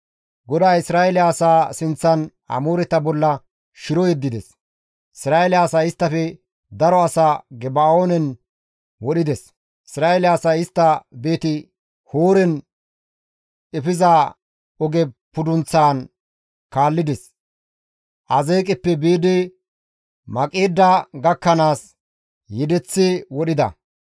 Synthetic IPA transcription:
ɡɔd̪aːɪsɾaːɛlɪaːsaːsɪnt͡sːɐn | hɐ̰muːɾɛt̪ɐbɔlːɐ | ʃɪɾɔjɛd̪ːɪd̪ɛs | ʔɪsɾaːɛlɪaːsaːɪst̪ːɐfɛ | d̪ɐɾɔɐsaːɡɛbaːoːnɛn | wɔɗɪd̪ɛs | ɪsɾaːɛlɪaːsaːɪst̪ːɐbe̞ːt̪ɪ | hoːɾɛn | ɛfɪza | ɔɡɛpʊd̪ʊnt͡sːaːn | kaːlːɪd̪ɛs | ʔɐzeːkʼɪpːɛbiːd̪ɪ | mɐkʼeːd̪ːɐɡɐkːɐnaːs | jɛd̪ɛt͡sːewɔɗɪd̪ɐ̰

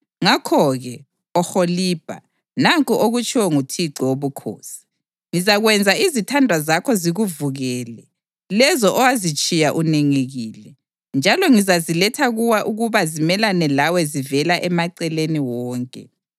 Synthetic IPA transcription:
ŋakʰɔɣɛ | ɔxoliːb̥ʱa̰ | naŋkʼuʔoɣut͡ʃʼiwɛŋutʰiǁɔwoβukʰo̰ːsi̥ | ŋizaɣwɛnd͡zʱaizitʰandʱwazakʰɔziɣuvuɣɛːlɛ | lɛzɔʔɔwazit͡ʃʼijaʔuneŋeɣiːlɛ | nd͡ʒʱalɔŋizazilɛtʰaɣuwaʔuɣuβazimɛlanɛlawɛzivɛlaʔɛmaǀɛleniwɔːŋkʼɛ̰

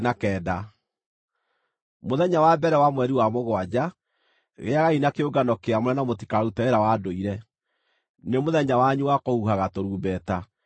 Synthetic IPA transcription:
nakɛːda | moðɛɲawabɛɾɛwamwɛɾiwamoɣwad͡ʑa | ɣḛaɣainakeoɡanɔkeamoɾɛnamoti̥kaɾautaeɾawadoiɾɛ | nemoðɛɲawaɲuwakohuɦaɣatoɾuːbɛta

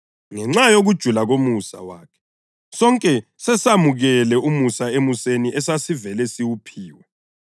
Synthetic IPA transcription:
ŋɛŋ͡ǀajoɣud̥ʒ̥ʱulaɣomusa̰wa̰ːkʰɛ̥ | sɔŋkʼɛsɛsamuɣɛlɛumusaemuseniʔɛsasivɛlɛsiwupʰiːwɛ

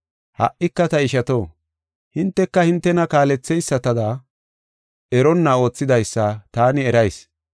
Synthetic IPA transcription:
hɐ̰ʔɪkːɐt̪ɐɪʃɐt̪o̞ː | hɪnt̪ːɛkːɐhɪnt̪ːɛnɐkaːlɛt͡sːɛjsːɐt̪ɐd̪a | ʔɛɾɔnːɐo̞ːt͡sːɪd̪ɐjsːɐt̪aːnɪɛɾɐjs

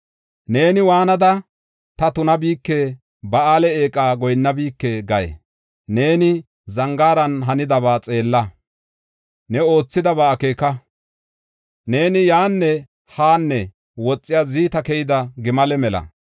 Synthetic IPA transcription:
ne̞ːnɪwaːnɐd̪ɐ | t̪ɐt̪ʊnɐbiːkːeː | bɐaːlɛeːkʼaːɡɔjnːɐbiːkːeːɡɐjɛ̰ | ne̞ːnɪ | zɐŋɡaːɾɐnɦɐnɪd̪ɐβaːt͡sʼe̞ːlːɐ | nɛo̞ːt͡sːɪd̪ɐbaːkeːkɐ | ne̞ːnɪjaːnːɛ | haːnːɛ | wɔt͡sʼːɪjaziːt̪ɐkɛjɪd̪ɐɡɪmɐlɛmɛlɐ̰

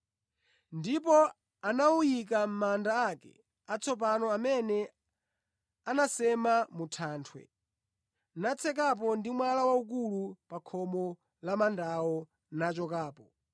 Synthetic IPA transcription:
ndip̬ɔ | anaujik̬am̩mandaːkɛ̰ | at͡sʰɔp̬anɔamɛnɛ | anasɛmamutʰaːntʰwɛ̰ | nat͡sʰɛk̬ap̬ɔndimwalawauk̬ulupakʰɔmɔ | lamandawɔ | nat͡ʃɔkaːpɔ

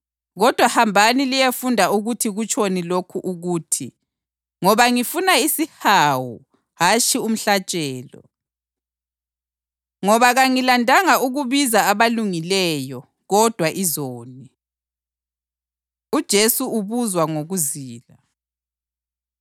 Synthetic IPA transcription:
ɣɔd̥ʱwahambʱanilijefundʱauɣutʰiɣut͡ʃʰʼonilokʰuʔuɣuːtʰi | ŋɔβaŋifunaisihawu | ɦat͡ʃʰʼium̩ɬat͡ʃʼɛːlɔ̰ | ŋɔβaɣaŋilandʱaŋauɣuβizaːβaluŋilɛjɔ | ɣɔd̥ʱwaʔizoːni | ud̥ʒ̥ʱesuuβuzwaŋoɣuziːla

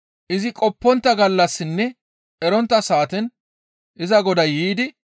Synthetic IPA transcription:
ʔɪzɪkʼɔpːɔnt̪ːɐɡɐlːɐsːɪnːɛ | ʔɛɾɔnt̪ːɐsaːt̪ɛn | ʔɪzɐɡɔd̪ɐjiːd̪ɪ

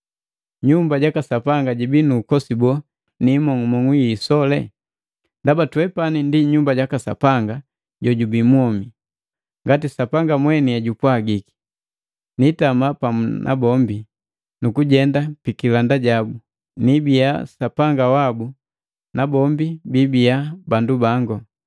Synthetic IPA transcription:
ɲumbaɟakasapaŋɡaɟibinuːkɔsibɔ | nimɔŋumɔŋujisɔlɛ̰ | ndabatuwɛpanindiɲumbaɟakasa̰paŋɡa | ɟɔɟubimwɔmi | ŋɡatisapaŋɡamwɛniaɟupwaɡiki̥ | nitamapamnʔa̰bɔmbi | nukuɟɛndapikilandaɟabu | nibijasapaŋɡawabu | nabɔmbibibijabandubaŋɡɔ

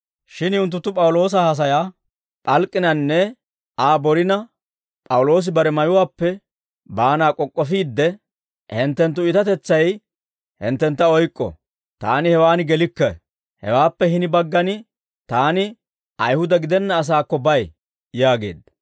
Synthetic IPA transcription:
ʃɪnʊnt̪ːʊt̪ːʊpʼɐwʊlo̞ːs̬ɐhɐs̬ɐjaː | pʼɐlkʼːɪnɐnːɛ | aːbɔɾɪnɐ | pʼɐwʊlo̞ːs̬ɪbɐɾɛmɐjʊwaːpːɛ | baːnaːkʼɔkʼːɔfiːd̪ːɛ | hɪnt̪ːɛnt̪̬ːʊɪt̪ɐt̪ɛt͡sːɐj | hɪ̰nt̪ːɛnt̪ːɐɔjkʼːɔ̰ | t̪a̰ːnɪhɛwaːnɪɡɛlɪkːɐ | hɛ̰waːpːɛɦɪnɪbɐɡːɐnɪ | t̪aːnɪ | ɐjhʊd̪ɐɡɪd̪ɛnːɐːs̬aːkːɔbɐj | jaːɡe̞̰ːd̪ɐ

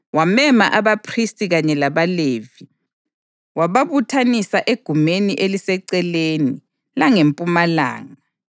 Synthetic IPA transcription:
wamɛmaʔaβapʰristʼiɣaɲɛlaβaleːvi | waβaβutʰanisaʔeɡ̥ʱumeniʔelisɛǀɛleni | laŋempʼumala̰ːŋa

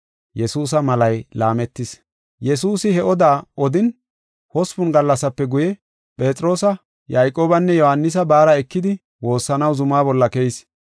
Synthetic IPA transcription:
jɛsuːs̬ɐmɐlɐjlaːmɛt̪ːɪs | jɛsuːsɪhɛʔɔd̪aːɔd̪ɪn | hɔspʊnɡɐlːɐsɐpːɛɡʊjɛ | pʼe̞ːt͡sʼɾo̞ːsɐ | jajkʼːo̞ːbɐnːɛjɔhɐnːɪs̬ɐbaːɾɐɛkːɪd̪ɪ | wo̞ːsːɐnɐwzʊmaːbɔlːɐkɛjɪs

